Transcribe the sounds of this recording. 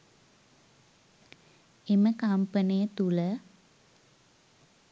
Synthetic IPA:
eməkampənijət̪ulə

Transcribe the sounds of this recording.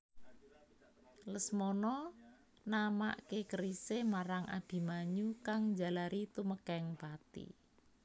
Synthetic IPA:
ləsmɔnɔ | nama̰ʔkekəɾisemaɾaŋʔa̰b̥i̤maɲukaŋd͡ʒa̤laɾit̪uməkɛŋpat̪ḭ

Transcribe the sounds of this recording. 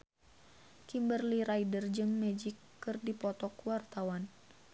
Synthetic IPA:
kimbərliɾaidərd͡ʒɨŋmɛd͡ʒikːɨrdipɔt̪ɔkuwart̪awan

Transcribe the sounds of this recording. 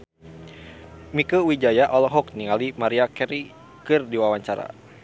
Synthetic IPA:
mikəwid͡ʒajaʔɔlɔɦɔk̚niŋalimaɾiakɛɾi | kɨrdiwawaɲt͡ʃaɾa̰

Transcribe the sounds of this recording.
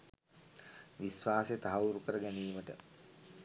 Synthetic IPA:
ʋisʋaːset̪aɦauɾukəɾəɡæniːməʈə̰

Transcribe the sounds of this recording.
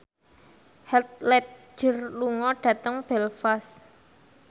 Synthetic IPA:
hɛt̪̚lɛt̪̚ʒ̥ə̤rluŋɔɖ̥ä̤t̪əŋb̥ɛlfas

